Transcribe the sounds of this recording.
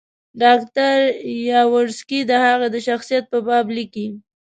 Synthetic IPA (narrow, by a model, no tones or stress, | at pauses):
ɖɑkt̪aɾjɑwʊɾskid̪əhaɣed̪əʃaxsijat̪̚pəbɑbliki